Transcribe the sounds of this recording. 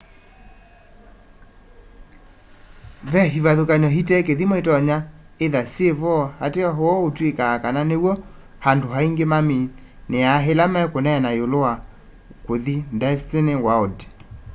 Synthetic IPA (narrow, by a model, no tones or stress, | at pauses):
vɛɦiβaðokaɲɔɦitɛk̬eðimoetɔɲa | eðasieβɔhateɔɦoɔotwekaːkananewɔ | handoɦaiŋɡemami | neaɦelamɛkonɛnajoloa | koðindɛstenewaode̥